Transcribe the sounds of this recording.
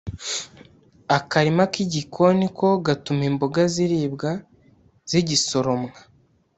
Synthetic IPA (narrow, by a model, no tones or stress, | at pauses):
akaɾimakiɟikʰo̞nikʰo̞ɡatumemboɡaziɾiːbɡa | z̥iɟiso̞ɾo̞mŋa